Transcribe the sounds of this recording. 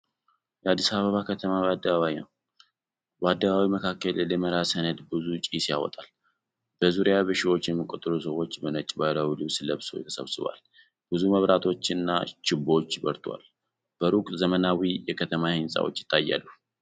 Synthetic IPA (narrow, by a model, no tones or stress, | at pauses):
jɛad̪ːisaβəβakʰət̪ʰəmaad̪ːəβaβainə̰w | bəad̪ːəβawiməkʰakːəlləməɾasənəd̪bɨzut͡ʃʼisja̰wɔ̰t̪ʼal | b̥əzuɾjaβɨʃiwo̞t͡ʃːjɛmːikʼo̞t̪ʼɨɾusəwo̞t͡ʃːbənət͡ʃʼbalawilɨβsləβso̰jɛ̰t̪ʰə̥sə̰βsʼɨβa̰l | b̥ɨzuməβɾat̪ʰo̞t͡ʃːɪnːat͡ʃɪbo̞t͡ʃːbəɾt̪ʰwa̰l | b̥əɾukʼzəmənawijɛkʰət̪ʰəmahɨnsʼa̰wo̞̰t͡ʃːjɪ̥t̪ʰʼːajːa̰lːu